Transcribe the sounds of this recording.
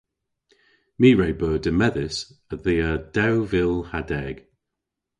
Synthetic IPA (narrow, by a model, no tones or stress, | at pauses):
miːɹɛjbœːdəmɛðɪsəðiːəd̥awvɪlˠhadɛɡ̥